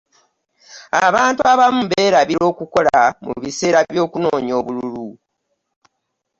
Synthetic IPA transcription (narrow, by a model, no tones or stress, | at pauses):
aβaːntuaβamumβe̞ːɾaβiɾo̞ːkuko̞lamṵβise̞ːɾajo̞ːkuno̞ːɲo̞ːβululu